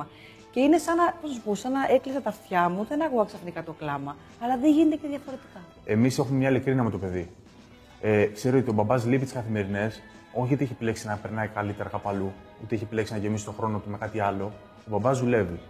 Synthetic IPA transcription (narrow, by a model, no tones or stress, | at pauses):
ɐ | ce̞ine̞sɐnɐpoznɐs̬u̥po̞sɐnɐʔeklisɐt̪ɐft̪çɐmuðe̞nɐkuɣɐksɐfnikɐt̪oklɐmɐː | lɐðeɲʝinet̪eceðʝɐfo̞ɾe̞t̪i̥kɐ | e̞mise̞xumemɲɐilikɾiniɐmet̪o̞pe̞ði | ekse̞ɾoot̪io̞bɐbɐzlipit̪i̥skɐθime̞ɾine̞s | o̞çiut̪eeçepileksinɐpe̞ɾnɐikɐlit̪e̞ɾɐkɐpɐlu | ut̪e̞eçepileksinɐʝe̞misi̥t̪o̞xɾo̞not̪ume̞kɐt̪iɐlo̞ | obɐbɐzðule̞vi